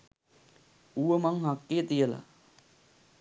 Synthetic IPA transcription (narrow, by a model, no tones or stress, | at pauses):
uʋəmaŋɦakːeːt̪ijəla̰